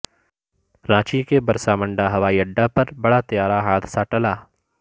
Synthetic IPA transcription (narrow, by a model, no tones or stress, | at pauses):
ɾãːt͡ʃikebɐɾsaːmə̃ɳɖaɦɐʋaːiːɐɖːapɐɾbɐɽat̪ɐjaːɾaɦaːd̪saʈɐlaː